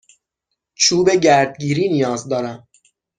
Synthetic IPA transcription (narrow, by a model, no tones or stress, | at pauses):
t͡ʃʰuːbe̞ɟæɾd̪̚ɟiːɾiːnijɒːzd̪ɒːɾæm